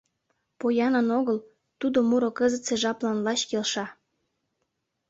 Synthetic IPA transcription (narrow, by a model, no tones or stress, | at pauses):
pojɑnə̆noɣəl | t̪ud̪omuɾokəzət̪seʒɑplɑnlɑt͡ɕkelʃɑ